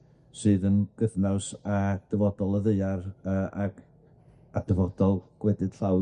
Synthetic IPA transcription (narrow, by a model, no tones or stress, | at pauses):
sɨːðənɡ̥əðnawsad̥əvɔdɔlˠəðeɨarəːa̰ɡ | ad̥əvɔd̥ɔlˠɡ̥wɛdɨd̥ɬaw